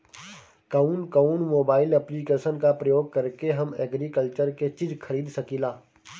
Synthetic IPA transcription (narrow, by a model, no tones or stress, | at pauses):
kɐunkɐnmoːbaːɪlɛplikeːʃənkapɾɐjoːɡ̚kɐɾkeɦɐmɛːɡɾikəlt͡ʃəɾket͡ʃɪd͡ʒkʰɐɾiːd̪sɐkiːlaː